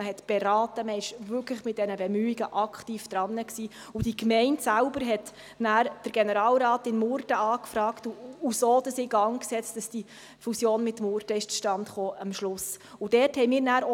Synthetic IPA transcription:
əhɛtb̥ɛɾɑːtəməɪʃvʏɾkʰləχmɪt̚d̥ɛnəbɛmyːiɡəʔɑkχtiːfd̪̥ɾɑnːəksiː | ʊd̥ikmɛɪntsæʊbəɾɦɛt | næːɾd̥əɾɡ̥enəɾɑːlɾɑːtɪnmʊɾtəɑːkfɾɑːktuusoːd̥əsɪɡɑŋksɛt͡std̥ɑsd̥i | fusjoːnmɪtmʊɾdəɪʃt͡sʃtɑntχoːʔɑmʃlʊs | ʊd̥ɛrthɛɪmiːɾnæːɾɔ

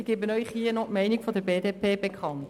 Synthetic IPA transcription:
iɡ̥eːbənœʏχhiːənɔʔmæɪnikfɔdəɾbeːdeːpʰeːb̥ekʰɑnt

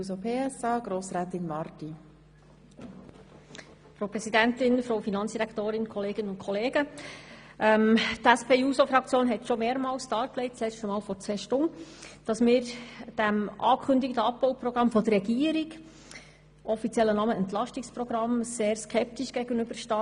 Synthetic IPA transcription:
uːsopʰeːɛsɑːɡ̥ɾoːsɾæːt̪ɪnmɑɾti | fɾoʊpɾɛsidænt̪ɪnfɾoʊwfinɑnt͡ssd̥iɾækʰt̪oːɾɪnkʰɔleːɡɪnʊntkʰɔleːɡə | ɛmt̪æspʰeːuːsofɾɑkt͡sjoːnɦɛt̪ʃɔmeːɾmɑːlsd̥ɑːɾklɛɪt͡slɛʃtəmɑːlfɔɾt͡sʋɛːʃtʊŋd̥ɑsmɪːɾd̥æmʔɑːkʰχʏnd̪ikd̪əɑp̚powprɔɡɾɑmfɔd̥̪ərːɛɡiːəɾiɡ | ʔɔfit͡sjɛlːənɑməɛnt̪lɑʃtikspɾɔɡ̥ɾɑmseːɾskʰɛp̚tiʃɡ̥æɡ̥ənʏb̥əɾʃtɑː

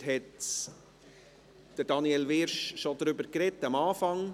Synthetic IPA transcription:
hɛt | d̥əɾd̥ɑniɛlʋɪɾʃʃodɾʏbəɾkɾɛtːɑmɑːfɑŋ

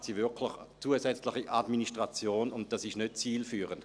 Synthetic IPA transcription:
tsivɪɐkʰlɪχt͡suːəsɛt͡slɪχiʔadministʁat͡sjoːnʊnt̚d̥asɪʃnøt̚t͡siːlfyːʁənt

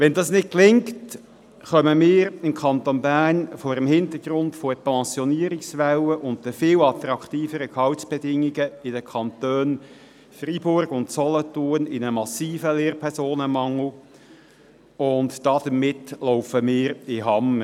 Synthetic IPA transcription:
ʋɛndɑsnɪt̚klɪŋkt | χœməmɪːɾɪmkʰɑnt̪onbænfoːɾəmhɪnt̪əɾɡ̥ɾʊntfopɛnsjɔniːəɾɪksʋæwəʔʊntdəfɪːwɑt̪ɾɑkt̪iːfəɾəkʰɑwtsb̥ɛdɪŋːɪɡəɪdəkʰɑntøːn | fribʊɾɡ̥ʊntsɔlɔt̪ʊːɾnɪnəmɑsiːfəleːrpʰɛɾsoːnəmɑŋl̩ | ʊntd̥ɑːd̥əmɪtloʊfəmɪːɾɪɦɑmə

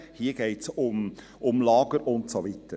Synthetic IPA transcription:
hiːəɡ̥ɛɪtsʊm | ʊmlɑːɡəɾʊntsoʋitə

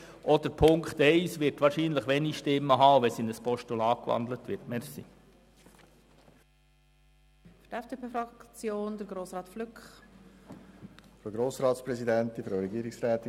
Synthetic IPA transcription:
ʔɔd̪əɾpʰʊŋkχt̪ɛɪsʋɪɾtʋɑːɾʃiːnləχʋɛniʃtɪmːəɦɑːʋɛsɪnəspʰɔʃtulɑːkʋɑ̰nd̪lətʋɪɾtmɛɾsḭː | fytɛfd̥eːpʰeːfɾɑkt͡sjoːnd̥əɾɡɾoːsɾɑːtflʏkχ | fɾoɡɾoːsɾɑːtspɾɛzidæntifɾoʊɾɛɡiːɾiksɾæːt̪i

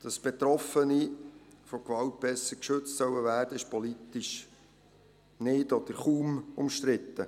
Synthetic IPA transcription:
d̥ɑsb̥ɛt̪ɾɔfənifɔkʋɑlt̚b̥ɛsəɾkʃɵt͡stsœwəvæːrd̥əɪʃpʰɔlit̪iʃ | nɪdɔd̪̥əɾχuːmʊmʃt̪ɾɪt̪ːə

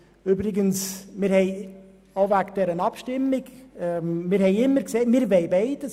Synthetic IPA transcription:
yːbɾɪɡənsmɪːɾhɛɪ | oʊvækd̥ɛɾənɑpʃtɪmːɪɡ | mɪɾhɛɪɪmːəɾkseɪtmɪːɾvɛɪbeɪd̥əs

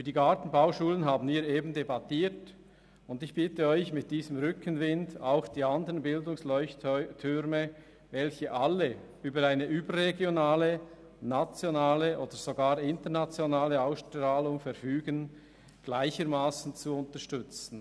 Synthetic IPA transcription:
fyːd̥iːɡatn̩baʊʃuːlənɦaːbn̩viːɾeːbn̩debatiːt | ʊndɪçb̥ɪtəɔʏçmɪt̚d̥iːzəmʁʏkʰənvɪndaʊxd̥iːandəʁənbɪldʊŋslɔʏçtʰʏɾmə | vɛlçəʔalə | yːbəɾaɪnəʔyːbəɾʁeɡjonaːlə | nat͡sjonaːləʔoːd̥əɾz̥oɡaːɾɪntəɾnat͡sjonaːləaʊsʃtʁaːlʊŋfɛɾfyːɡən | ɡ̥laɪçəɾmaːsn̩t͡suʊntəʃtʏt͡sn̩

